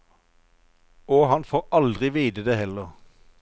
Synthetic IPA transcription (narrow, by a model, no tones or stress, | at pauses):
oːhɑnfoːʁɑld̪ʁɪʋiːd̪əd̪eːhɛləʁ